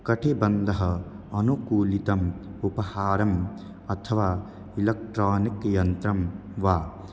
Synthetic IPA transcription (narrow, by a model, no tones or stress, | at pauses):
kɐʈʰebɐnd̪ʱɐɦɐ | ɐnukuːlit̪ɐmupɐhaːɾɐm | ɐt̪ʰɐʋaː | ilɐk̚ʈɾaːnikjɐnt̪ɾɐmʋaː